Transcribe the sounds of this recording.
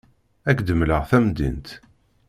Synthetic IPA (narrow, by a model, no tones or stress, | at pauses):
ækd̪əmləʁθæmd̪ḭnt̪